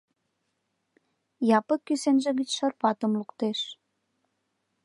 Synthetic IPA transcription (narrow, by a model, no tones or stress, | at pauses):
jɑpəkːysenʒĕɣət͡ɕʃərpɑt̪əmlukt̪eʃ